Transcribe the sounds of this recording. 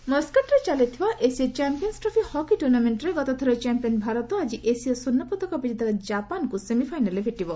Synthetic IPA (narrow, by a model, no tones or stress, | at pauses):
mɔskaʈɾet͡ʃalet̪ʰibaʔesiet͡ʃampiɔnsʈɾɔpʰihɔkiʈuɾnameɳʈɾeɡɔt̪ɔt̪ʰɔɾɔt͡ʃampiɔnbʱaɾɔt̪ɔad͡ʒiʔesiɔsunːɔpɔt̪ɔkɔbid͡ʒid̪ʱakad͡ʒapankusemipʰajnalebʱeʈibɔ